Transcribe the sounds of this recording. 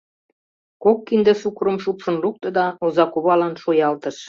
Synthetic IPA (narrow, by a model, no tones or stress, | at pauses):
kokːind̪ĕsukɾə̆mʃupʃə̆nluk̚t̪ɤ̆d̪ɑozɑkuβɑlɑnʃojɑlt̪ə̆ʃ